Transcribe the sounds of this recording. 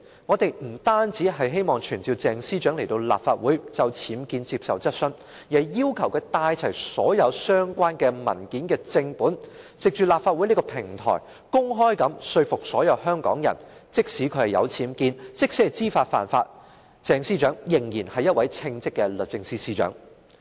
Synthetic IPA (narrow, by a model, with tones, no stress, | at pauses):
ŋɔː˨˧t̪e˨jm̩˨˩t̪aː˥nt͡siː˨˥ɦɐ˨jɦe˥jmɔː˨ŋt͡ʃʰyː˨˩nt͡siː˨˧wt͡sɛː˨ŋsiː˥t͡ʃœː˨˥ŋle˨˩jt̪o˧wla̰ː˨p̚faː˧t̚wuː˨˥jt͡sɐ˧wt͡sʰiː˨˥mkiː˧nt͡siː˧p̚sɐ˨wt͡sɐ˥t̚sɵ˥n | jiː˨˩ɐ˨˩jiː˥wkʰɐ˨˩wkɛː˧t̪aː˧jt͡sʰɐ˨˩jsɔː˨˥jɐ˨˧wsœː˥ŋkʷaː˥nkɛː˧mɐ̰˨˩nkiː˨˥nkɛː˧t͡sɪ˧ŋpuː˨˥n | t͡sɪ˨k̚t͡ʃyː˨laː˨pfaː˧t̚wu˨˥niː˥kɔː˧pʰɪ˨˩ŋt̪ʰɔ̰ː˨˩j | kʊ˥ŋɦɔː˥jkɐ˨˥msɵ˧ɥfʊ˨k̚sɔː˨˥jɐ˨˧whœː˥ŋkɔ̰ː˨˥ŋjɐ̰˨˩nt͡sɪ˥k̚siː˨˥kʰɵ˨˧˥hɐ˨jɐ̰˨˧wt͡sʰiː˨˥mkiː˧nt͡sɪ˥k̚se˥t͡siː˥faː˧t̚fa̰ː˨˩nfaː˧t̚ | t͡sɛː˨ŋsiː˥t͡ʃœː˨˥ŋjɪ˨˩ŋjiː˨˩nhɐ˨jːɐ˥t̚wɐ˨˥jt͡sʰɪ˧ŋt͡sɪ˥kːɛ˧lɵ˨t̚t͡sɪ˧ŋsiː˥siː˥t͡ʃœ̰ː˨˥ŋ